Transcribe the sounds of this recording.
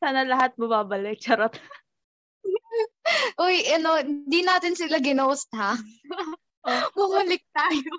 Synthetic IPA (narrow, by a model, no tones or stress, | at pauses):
saːnɐlɐɦat̪̚bɐmaːbɐlɪk̚ʃɐɾap | ʔojʔɐno̞hɪnd̪inaːt̪ɪnsɪlaɡɪnoːst̪̚ha | mʊhulɪk̚t̪aːjo